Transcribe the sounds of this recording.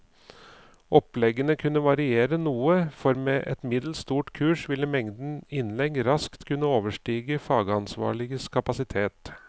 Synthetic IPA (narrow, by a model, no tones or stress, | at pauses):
ʔɔplɛɡənəkʰʉnːəʋɑɾɪeːɾənuːəfɔɾmeːʔɛt̪mɪd̪l̩st̪uːʈkʰʉːʂʋɪlːəmɛŋd̪n̩ɪnlɛɡɾɑskt̪kʰʉnːəoːʋəʂʈiːɡəfɑːɡəɑnsʋɑ̰ːɭɪɡəskʰɑpɑsɪt̪ʰeːt̪